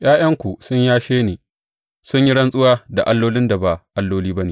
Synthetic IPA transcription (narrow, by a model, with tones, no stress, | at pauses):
j̰aː˦j̰ɐ˦ŋkʷu˨sʊ˦ɲjaː˦ʃeː˦neː˨ | sʊ˦ɲji˦ɽɐ˦nsʼʊ˦waː˦da˨ʔa˦lːoː˦lɪ˦nda˨ba˨ʔa˦lːoː˦liː˦bɐ˦neː˨